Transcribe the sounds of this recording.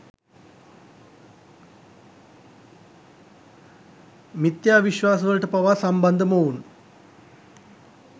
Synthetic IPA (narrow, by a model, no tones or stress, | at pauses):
mit̪jaːʋiɕʋaːs̬ɐɣɐɭʈɨpɐʋasɐmbɐnd̪ʱɐmounu